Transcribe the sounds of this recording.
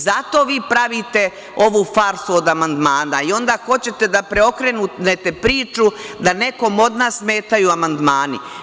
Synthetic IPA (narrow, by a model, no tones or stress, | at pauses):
zat̪o̞ːʋiːpɾaʋit̪e̞ | o̞ʋuːfaɾsuo̞d̪amand̪maːnaio̞nd̪axo̞t͡ɕe̞t̪e̞d̪apɾeo̞kɾenunet̪e̞pɾiːt͡ʃud̪ane̞ko̞mo̞d̪naːssmeːt̪ajuamand̪maːni